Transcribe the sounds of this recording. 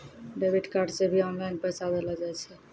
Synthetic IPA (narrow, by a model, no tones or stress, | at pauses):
ɖeːbiʈkaːɾɖsebʱiɔːnlaɪnpɛːsad̪eːlad͡ʒaɛt͡ʃʰɛ